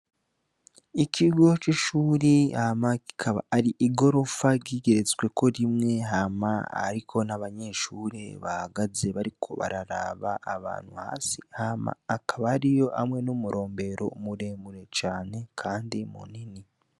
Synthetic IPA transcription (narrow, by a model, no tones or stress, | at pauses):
ikʰiɡo̞t͡ʃiʃuːɾiamai̥kʰaβaːɾiʔiɡo̞ɾo̞faɟiɡe̞ɾe̞t͡swe̞ko̞ɾimŋe̞ɦamaa̰ɾikʰo̞naβaɲe̞ʃuːɾeβahaɡaze̞βaɾikʰo̞̰βa̰ɾaɾa̰βaʔaβa̰ːn̥huha̰ːsihama̰ːkʰaβaɾijo̞ʔamŋe̞numuɾo̞ːmbe̞ɾo̞̰muɾe̞muɾe̞t͡ʃaːne̞kʰaːndimṵnini